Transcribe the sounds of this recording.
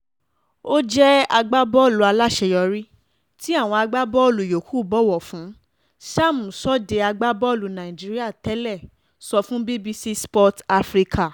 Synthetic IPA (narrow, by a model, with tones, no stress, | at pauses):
o˦d͡ʒɛ˦a˧ɡ͡ba˦bɔ˦˨lu˨a˧la˦˨ʃɛ˧jɔ˧ɾi˦ | ti˦a˦˨w̃ɔ̃˧a˧ɡ͡ba˦bɔ˦o˦˨lu˨jo˨kʰu˦˨bɔ˦˨wɔ˨fũ˨˦ | ʃa˦˨mũ˨sɔ˦de˧a˧ɡ͡ba˦bɔ˦o˦˨lu˨nã˨i˨d͡ʒi˦ɾi˦a˦˨tɛ˦lɛ˦˨ | sɔ˧fũ˦be˦bi˧si˦spɔ˦ta˧fɾi˦˧kʰa˨